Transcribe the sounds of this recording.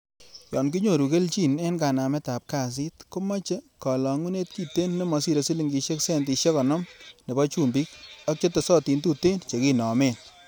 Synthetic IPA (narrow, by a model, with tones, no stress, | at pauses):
jɔ˨nki˦ɲo˨ɾu˨ke˦lt͡ʃi˦˨nɛ˦nka˨na˨mɛ˦ta˨p̚ka˦˨s̬i˦tko˦ma˦t͡ʃe˦kɔ˨lɔ˨ŋu˦ne˦t̚ki˦˨te˦nːe˦mɔ˨si˦ɾe˨si˦li˦ŋɡi˨ʃe˦ksɛ˦nt̬i˨˧ʃe˦kɔ˨nɔ˦mne˨bɔ˦t͡ʃu˦˨mbi˦kɔ˦k̚t͡ʃe˦te˨sɔ˦ti˨ntu˦˨te˦nt͡ʃe˨ki˦nɔ˨me˦˨n